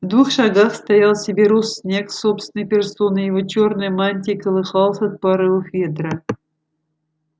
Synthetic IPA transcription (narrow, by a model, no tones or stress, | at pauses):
vd̪vuxʂɑɡaxst̪ɐjalˠsʲɪbʲeɾosːʲnʲe̞ksopst̪vʲɪnɨjpʲɪrso̞nɨjɪvot͡ɕornɨjmanʲtʲɪkəlˠɨxɑlˠsət̪̚pɑɾɨvɨxvʲet̪ɾə